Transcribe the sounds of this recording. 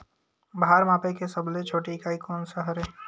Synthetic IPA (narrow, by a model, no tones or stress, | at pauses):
bɦaɾmaːpekesəblẽt͡ʃʰoːʈikaːikɔːnsəɦəɾɦeː